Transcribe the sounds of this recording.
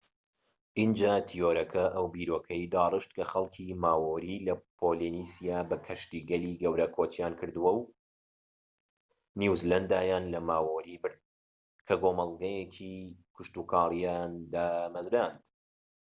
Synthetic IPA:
ʔind͡ʒaːt̪ʰijoːɾɐkʰɐʔɐwbiːɾoːkʰɐjd̪aːrɨʃt̪kʰɐxɐlˠkʰiːmaːwoːɾilɐpʰoːlinisijaːbɐkʰɐʃt̪iːɡɐliːɡɐwɾɐkʰot͡ʃijaːnkʰɨɾd̪ɨwɐw | nuzlɐnd̪aːjaːnlɐmaːwoɾiːbɨɾd̪̚ | kʰɐɡoːmɐlˠɡɐjekʰikʰʊʃt̪ukʰɑːlˠijand̪aːmɐzɾand̪̥

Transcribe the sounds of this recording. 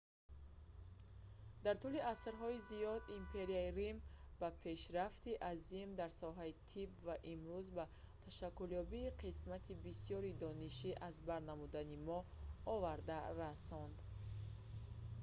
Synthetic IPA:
d̪aɾt̪uliasɾɦɔizijɔd̪impʰe̞ɾiaiɾimb̥apʰe̞ʃɾaft̪iʔazimd̪aɾsɔɦait̪ʰibvaʔimɾuzba | t̪ʰaʃakːuljɔbiːqʰismat̪ʰibisijɔɾid̪ɔniʃiʔazbaɾnamud̪animɔɔvaɾd̪aɾasɔnd̪

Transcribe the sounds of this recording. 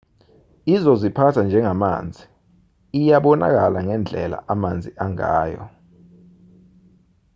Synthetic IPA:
izɔzipʰatʰand͡ʒʱɛŋama̰ːnd͡zʱiː | jaɓɔna̰k̬alaŋɛnd͡ɮʱɛla̰ʔamand͡zʱiʔaŋa̰ːjɔ̰

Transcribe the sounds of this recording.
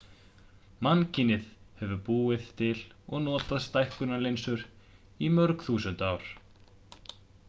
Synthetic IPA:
mancɪnɪðhɛvʏpuːɪθt̪ʰɪlɔɣnɔːt̪aðst̪ajhkʏnalejnsʏɾ | imœɾkθuːsʏnt̪awɾ̥

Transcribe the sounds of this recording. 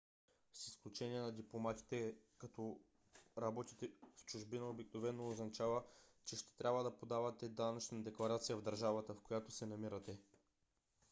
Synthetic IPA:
sisklʲut͡ʃɛniɛnɐd̪iplˠomat̪i̥t̪ɛkɐt̪ɔ | ɾɐbɔt̪it̪ɛft͡ʃʊʒbinɐobiknovɛnːoːznɐt͡ʃavət͡ʃɛʃt̪ɛ̥t̪ɾʲʔabvəd̪ɐpod̪avɐt̪ɛd̪anɐt͡ʃnɐd̪ɛklˠɐɾat̪sijəvd̪ɐɾʒavət̪əfkojat̪osɛnɐmiɾət̪ɛ

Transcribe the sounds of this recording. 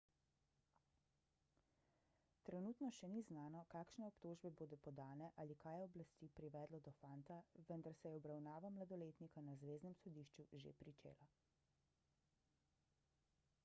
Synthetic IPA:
t̪ɾɛnuːt̪nɔʃɛniznaːnɔkaːkʃnɛɔpt̪oːʒbɛboːd̪ɔpɔd̪aːnɛʔalikajɛɔblast̪iːpɾiʋɛːd̪lɔd̪ɔfant̪aʋənd̪aɾsɛjɛɔbɾawnaːʋamlad̪ɔleːt̪nikanazʋeːznɛmsɔd̪iːʃt͡ʃuʒḛpɾit͡ʃḛːla

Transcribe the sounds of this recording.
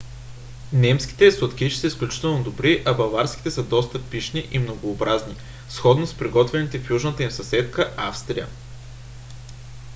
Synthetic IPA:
nɛmsk̟i̥t̪ɛsot̪kiʃi̥səisklʲut͡ʃi̥t̪ɛlˠnod̪obɾiʔɐbɐvaɾskʲi̥t̪ɛsəd̪ɔst̪əpiʃniʔimnoɡoːbɾazni | sxɔd̪nospɾiɡɔt̪vɛnit̪ɛfjuʒnət̪əimsɐsɛt̪kəʔafst̪ɾijə

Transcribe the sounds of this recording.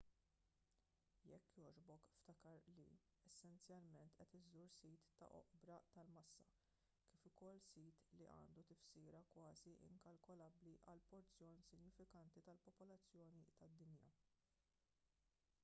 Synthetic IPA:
jɛ̰kːjɔːd͡ʒbɔkft̪ɐkɐɾlḭ | ɛsːɛnt͡sjɐlmɛnt̪ʔɛt̪ɪzuɾsiːt̪ːɐ̰ʔɔ̰ʔbɾɐt̪ɐlmɐsːɐ | kɪːfʊkɔlːsiːt̪liʔɐ̰ːnd̪ut̪ɪfsiːɾɐkwɐːziʔɪ̰ŋkɐlkɔlɐbliʔɐlpɔɾt͡sːjɔːnsɪɡnɪfɪkɐnt̪it̪ɐlpɔpɔlɐt͡sːjɔːnit̪ɐd̪ːɪnjɐ̰

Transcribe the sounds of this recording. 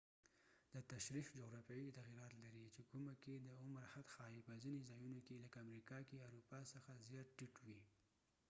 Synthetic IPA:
d̪ət̪aʃɾifd͡ʒoɣɾɑfjɑjit̪aɣiɾɑt̪laɾit͡ʃekuməked̪əʊmɾhat̪xɑjipəzinezɑjunokeləkaamɾikɑkeawɾupɑsəxazjɑt̪̚ʈiʈwi

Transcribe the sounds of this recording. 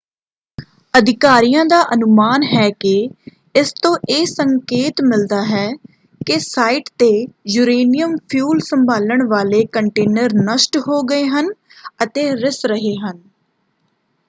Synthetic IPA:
əd̪ɪkaːɾijãːd̪aːʔənʊmaːnɦɛːkɪ | ɪst̪õːʔeːsəŋkeːt̪mɪld̪aːɦɛː | kɪsaːɪːʈt̪eːjuːɾeːnijəmpʰjuːlsəmbʱaːləɳʋaːleːkəɳʈeːnəɾnəsʈɦoːɡəeːɦən | ət̪eːɾɪsɾəɦeːɦən

